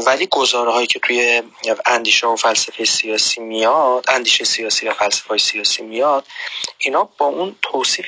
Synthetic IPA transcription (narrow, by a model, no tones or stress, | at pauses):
væliːɡozɒːɾɦɒːjiːcʰe̞t̪ʰuje̞ | ænd̪iːʃɛofælsæfejesijɒːsiːmijɒd̪ænd̪iːʃejesijɒːsiːjæfælsæ̥feɒːjesijɒːsḭmijɒd̪̥inɒːbɒːʔunt̪ʰosiːf